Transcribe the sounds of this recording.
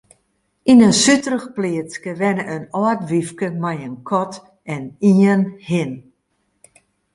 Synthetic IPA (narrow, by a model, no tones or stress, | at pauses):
inənsytərəxpliət͡skəʋɛnəʔənɔətʋifkəmajənkʰɔt | ɛniənhɪn